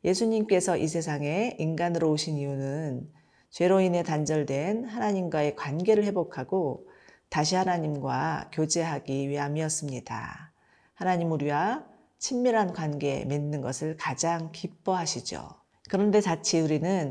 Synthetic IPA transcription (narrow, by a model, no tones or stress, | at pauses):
je̞sʰuɲimk͈e̞sʰʌʔis̬ʰe̞s̬ʰaŋe̞inɡanɯɾooɕʰiniunɯn | t͡ɕwe̞ɾoine̞tand͡ʑʌɭdwe̞nhanaɲimɡwae̞kwanɡe̞ɾɯɭhe̞bokʰaɡ̥otaɕ̬ʰihanaɲimɡwakjod͡ʑe̞ɦaɡiɥiɦamiʌs͈ɯmɲida̰ | hanaɲimuɾiwa | t͡ɕʰimːiɾɦankwanɡe̞̰menːɯnɡʌsʰɯɭkad͡ʑaŋkip͈ʌɦaɕʰid͡ʑo̰ | kɯɾʌnde̞t͡ɕat͡ɕʰiuɾinɯn